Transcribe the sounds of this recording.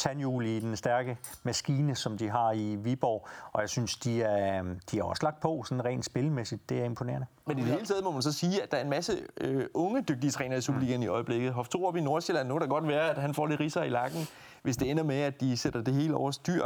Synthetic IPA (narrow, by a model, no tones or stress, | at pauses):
t͡sʰænjulid̥ensd̥æɐɡ̥əmæsɡ̥iːnəsɒ̽md̥iɦɑ̈iʋib̥ɒ̰ːʔɒ̽jɑ̈ɪsynsd̥iæɐd̥iæɐɒ̽səlɑɡ̥̚d̥̚pʰɒ̽sɒ̽n̩ʁɛ̰ːnd̥sb̥e̝lmesid̥̚ːe̝æɐe̝mpʰone̝ːɐnəmenidee̝ːlət͡sʰɛːð̞̩ˠmɒ̽mænsɒ̽siːæd̥ɑ̈æɐe̝nmæsəøʔɔ̽ŋəd̥øɡ̥̚d̥iət͡sʰʁɛ̰ːnɐisub̥ɐliːɡ̥ɐniɒ̽ɪble̝ɡ̥ð̩ˠɦɒft͡sʰo̝ɒb̥ino̝ɐselænːukæɾ̥aɡ̥ɒ̽d̥ʋæːɐæd̥ɦænfɒ̰ːɾ̥eʁisɐilɑ̈ɡ̥n̩ | ʋe̝sd̥e̝enɐmeæd̥ised̥ɐd̥e̝ɦe̝̰ːləɒ̰ʊ̰ɐsd̥yɐ̰